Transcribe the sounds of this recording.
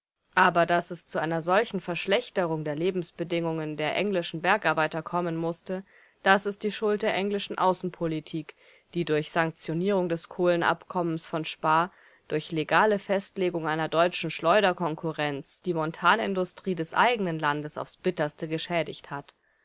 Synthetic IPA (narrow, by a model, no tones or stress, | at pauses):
ʔaːbɐdasɛst͡suʔaɪnɐzɔlçn̩fɛɐʃlɛçtəʁ̞ʊŋdeːɐleːbm̩sb̥ədɪŋʊŋəndeːɐʔɛ̰ŋlɪʃn̩bɛɐkʔaɐbaɪtɐkʰɔmənmʊstə | d̥asɛst̚d̥iːʃʊlt̚d̥eːɐʔɛŋlɪʃn̩ʔa̰ʊsn̩pʰolitʰiːk | d̥iːdʊɐçz̥aŋk̚t͡sjoniːʁ̞ʊŋdɛskʰoːlənʔa̰pkʰɔmənsfɔnʃpaː | d̥ʊɐçleɡaːləfɛstleːɡʊŋaɪnɐdɔʏt͡ʃn̩ʃlɔʏɾɐkʰɔŋkʰʊʁɛnt͡sd̥iːmɔntʰaːnɪ̰ndʊstʁ̥iːdɛsʔa̰ɪɡənənlandəsa̰ʊfsb̥ɪtɐstəɡəʃɛːdɪçthat